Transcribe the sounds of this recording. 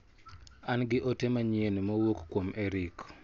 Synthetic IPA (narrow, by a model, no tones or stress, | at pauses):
anɡɪʔɔtemaɲjenmowokkwomʔeɾik